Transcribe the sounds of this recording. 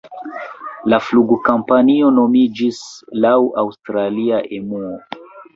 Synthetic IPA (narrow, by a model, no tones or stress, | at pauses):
lafluɡukampanio̞no̞mid͡ʒislawʔawstɾaliaʔemuo